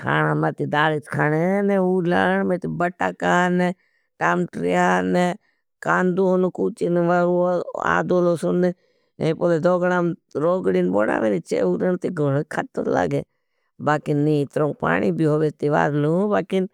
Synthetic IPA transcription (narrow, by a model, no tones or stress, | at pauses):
kʰa̰ːnaːmat̪id̪aːlit̪kʰaːnenɛuːla̰ɳmẽt̪ibəʈaːkanɛ | ʈaːmʈɾijaːne | kaːnd̪uːonukuːt͡ʃinʋaːɾuoa̰ːd̪oːlosʊne | ẽpoːled̪oːɡɽaːmɾoːɡɽinbo̰ːɽa̰ːmeɾit͡ʃḛːuːlənt̪iɡoɽekʰat̪o̰la̰ɡe | baːkɪnit̪ɾõːŋpa̰ːɳiːbiɦoːʋet̪iʋa̰ːɾlũːbaːkɪn